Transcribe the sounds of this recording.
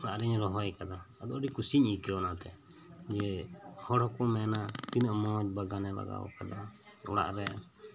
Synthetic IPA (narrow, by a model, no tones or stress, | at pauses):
ɔɽaʔɾɛɲɾɔɦɔjkad̪aːd̪ɔʔɖikusiɲikɛɔnat̪ɛ̰ | d͡ʒɛhɔɽhɔkɔmɛnat̪inəʔmɔt̪̚baɡanɛla̰ɡa̰wɔ̰kad̪a | ɔɽa̰ʔɾɛ